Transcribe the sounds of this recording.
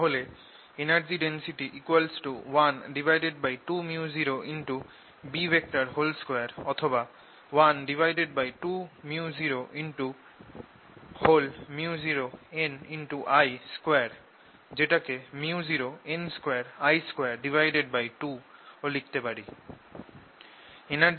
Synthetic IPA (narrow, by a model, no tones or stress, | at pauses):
aɦole | enaɾd͡ʑiɖensiʈiʔikwalsʈuwanɖibʱajɖeɖbajʈumiuziɾoʔinʈu | bibʱek̚ʈaɾɦolskeaɾɔt̪ʰoba | wanɖibʱajɖeɖ̚bajʈumiuziɾoʔinʈu | holmiuziɾoeninʈuʔajskweaɾ | d͡ʑeʈakemiuziɾoenskeaɾajskweaɾɖibʱajɖeɖ̚bajʈuolik̚t̪epaɽi | ena